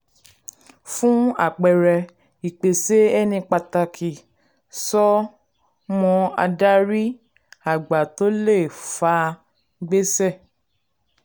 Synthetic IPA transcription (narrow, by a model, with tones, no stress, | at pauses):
fũ˦a̰˦˨k͡pɛ˨ɾɛ˨ | i˨k͡pe˨se˦ɛ˦nĩ˧k͡pa˧ta˧kʰi˨ | sɔ˦ | mɔ̃˧a̰˧da˦ɾi˦ | a˦˨ɡ͡ba˨to˦le˦˨fa˧ | ɡ͡be˦sɛ˦˨